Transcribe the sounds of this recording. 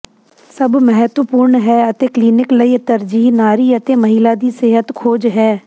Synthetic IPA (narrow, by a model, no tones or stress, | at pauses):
səbmɛɦət̪wəpuːɾɳɦɛːət̪eːkliːnɪkləiːt̪əɾd͡ʒiːɦnaːɾiːət̪eːməɦɪlaːd̪iːseɦət̪kʰoːd͡ʒɦɛː